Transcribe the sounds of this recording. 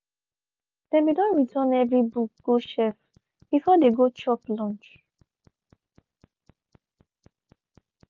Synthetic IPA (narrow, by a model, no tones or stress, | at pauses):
d̥ɛ̃nwidɔ̃nɹitʰanɛvɹibuk̚ɡ̥oʃɛf | b̥ifɔdeɡot͡ʃɔplɔ̃nt͡ʃ